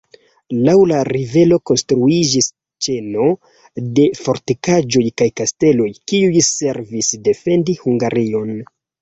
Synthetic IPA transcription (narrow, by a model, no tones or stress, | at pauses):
lawlaɾive̞lo̞ko̞nstɾuid͡ʒis | t͡ʃe̞no̞ | de̞fo̞ɾtikad͡ʒo̞jkajkaste̞lo̞jkiujse̞ɾvisde̞fe̞ndihuŋɡaɾio̞n